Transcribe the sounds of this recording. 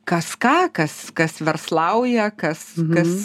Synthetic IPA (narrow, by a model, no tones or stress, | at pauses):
kɐskɑːkɐskɐsʋʲɛrslˠɐʊjɛkɐskɐs